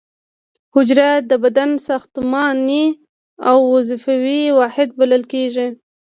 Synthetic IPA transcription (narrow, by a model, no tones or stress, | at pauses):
hʊd͡ʒɾad̪əbad̪ansɑxt̪ʊmɑni | awːazɪfawiwɑhɪd̪̚baləlkeʒi